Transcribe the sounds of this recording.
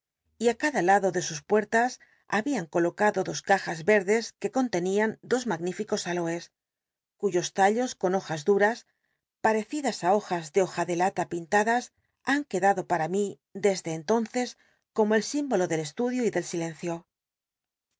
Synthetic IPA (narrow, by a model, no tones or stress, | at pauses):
iakaðalaðo̞ðe̞suspwe̞ɾt̪as | aβiaŋko̞lo̞kaðo̞ðo̞skaxazβe̞ɾðe̞ske̞ko̞nt̪e̞niand̪o̞zmaɣnifiko̞salo̞e̞s | kuʝo̞st̪aʎo̞sko̞no̞xazðuɾas | paɾe̞θiðasao̞xazðe̞o̞xaðe̞lat̪apint̪aðas | aŋke̞ðaðo̞paɾami | ðe̞zðe̞ːnt̪o̞nθe̞s | ko̞mo̞e̞lsimbo̞lo̞ðe̞le̞st̪uðjoiðe̞lsile̞nθjo̞